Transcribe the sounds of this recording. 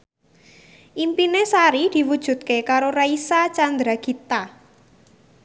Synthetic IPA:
ʔimpinesaɾid̪̥i̤wud̥ʒ̥ṳt̪̚kekaɾoɾaisat͡ʃand̪ɾaɡ̥i̤t̪a

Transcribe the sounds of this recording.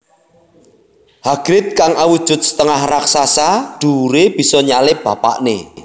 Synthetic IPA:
haɡ̥ɾɪt̪̚kaŋawud̥ʒ̥ʊ̤t̪̚sə̥t̪əŋahraksasaɖ̪̥uɾeb̥i̤sɔɲalɪp̚b̥a̤pa̰ʔnḛ

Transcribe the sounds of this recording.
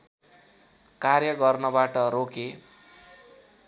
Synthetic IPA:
karjʌɡʌrnʌbaʈʌɾoke

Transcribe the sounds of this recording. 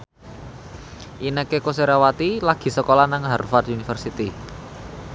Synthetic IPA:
ʔinəkekos̬eɾawat̪ilaɡ̥i̤səkolanaŋɦarfat̪unifərsit̪i

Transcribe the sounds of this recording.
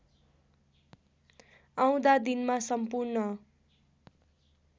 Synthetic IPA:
aw̃d̪ad̪inmasʌmpurnʌ

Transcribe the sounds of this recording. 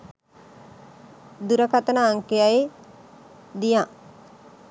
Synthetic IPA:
d̪uɾəkat̪ənaːŋkejaje | d̪ija

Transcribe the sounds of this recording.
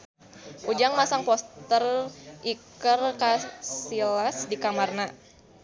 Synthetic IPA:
ʔud͡ʒaŋmasaŋpɔst̪ərʔikərkasilasdikamarna

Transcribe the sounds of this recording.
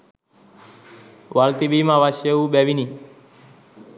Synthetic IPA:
ʋalt̪ibimãʋaʃeuɓɛʋini

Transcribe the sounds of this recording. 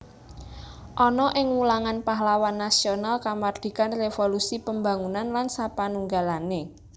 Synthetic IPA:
ʔɔnɔʔɪŋwulaŋanpaɦlawanːasionalkamard̪̥i̤kanrefolusipəmba̤ŋunanlansapanuŋɡalane

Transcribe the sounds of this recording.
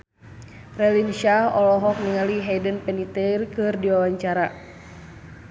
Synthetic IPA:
rɛlinʃahɔlɔɦɔk̚niŋaliɦɛdənpɛnit̪ɛrkɨrdiwawaɲt͡ʃaɾa

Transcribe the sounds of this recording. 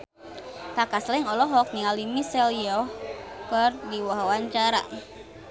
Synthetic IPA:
t̪akaslɪŋɔlɔɦɔk̚niŋalimisɛlijɔhkərdiwaɦawaɲt͡ʃaɾa̰

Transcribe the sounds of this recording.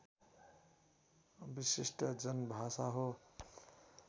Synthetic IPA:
bisisʈʌd͡zʌnbʱasaɦo

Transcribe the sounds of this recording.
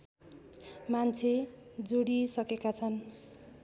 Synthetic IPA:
mant͡sʰed͡zoɽisʌkekat͡sʰʌn

